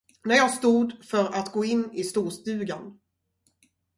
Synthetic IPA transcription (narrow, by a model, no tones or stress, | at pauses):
næɾjɑːɡst̪uːd̪fœɾat̪ɡoːɪnːɪst̪uːʂt̪ʉ̟ːɡan